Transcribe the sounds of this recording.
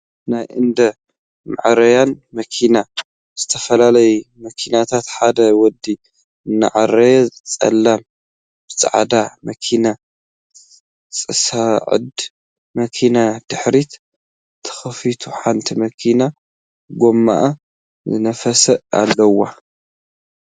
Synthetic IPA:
najʔɨnd̪ɐ | ma̰ʕɾɐjanmɐkʰina | z̥ɨt̪ʰɐfɐlalɐjumɐkʰinat̪ʰat̪ħad̪ɐwɔd̪i | ɨnːa̰ʕarɐjɛt͡sʼɐ̰lːam | b̥ɨt͡sʼa̰ʕ̰d̪amɐkʰina | t͡sʼɨsaʕɨ̰d̪ | mɐkʰinad̪̥ɨħɾit̪ | t̪ʰːɐ̥xɐfit̪ʰuħant̪ʰimɐkʰina | ɡo̞mːa̰ʔa | zɨnɐfɐsɐa̰lːɐwːa

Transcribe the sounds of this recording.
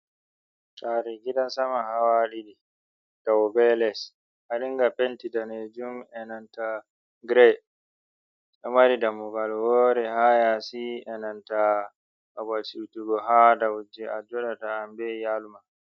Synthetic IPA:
taɾiɡiɗansamaɦawaɗiɗi | d̥awbɛlɛs | ʔaɗiŋɡapentidaned͡ʒumɛnanta | ɡɾɛ | ɗɔmaɾidamːuɡalwɔːɾɛhajasiɛnanta | abasiɾtuɡɔɦadawd͡ʒɛad͡ʒɔɗataːmbɛjaluma

